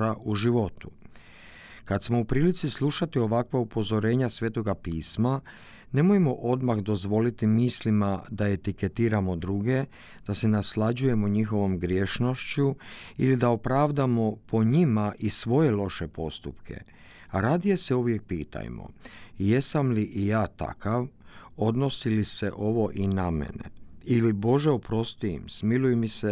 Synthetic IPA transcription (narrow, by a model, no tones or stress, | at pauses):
ɾaʔuʒiʋo̞t̪u | kat̪smo̞upɾiːlit̪sislˠuʃat̪io̞ʋakʋaupo̞zo̞ɾe̞ːɲasʋje̞t̪o̞ɡapiːsma | ne̞mojmo̞ʔo̞d̪maxd̪o̞zʋo̞lit̪imislimad̪ae̞t̪ike̞t̪iːɾamo̞d̪ɾuɡe̞ | d̪̥ase̞naslad͡ʑuje̞moɲixo̞ʋo̞mɡɾjeːʃno̞ʃt͡ɕuilid̪ao̞pɾaːʋd̪amo̞pʰo̞ɲimaʔisʋo̞je̞lo̞ʃe̞po̞st̪upkʰḛ | aɾaːd̪ije̞se̞uʋje̞k̚piːt̪a̰jmo̰je̞samliʔijaːt̪a̰kaʋo̞d̪no̞siliseʔo̞ʋo̞ʔinamḛnḛilibo̞ʒe̞opɾo̞st̪iḭmsmilujemise